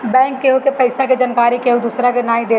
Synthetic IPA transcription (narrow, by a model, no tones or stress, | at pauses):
bɛ̃ːŋkːeɦokepɐɪsaked͡ʒɐnkaːɾikeɦod̪uːsɾakenaːĩd̪eː